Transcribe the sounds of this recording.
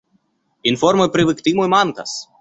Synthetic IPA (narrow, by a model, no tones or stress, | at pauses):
ɪnfɔɾmojpʲɾʲɪʋʲɨkʲt̪ʲiːmomɑnkɐs